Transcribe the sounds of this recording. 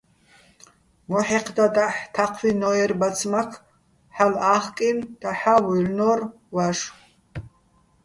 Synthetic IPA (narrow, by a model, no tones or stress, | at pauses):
mɔħiqʰd̪ad̪aħt̪ʰaqʰwinɔɛɾbat͡sʰmakʰ | ħalaχkʼind̪̥aħawulnɔr | waʂ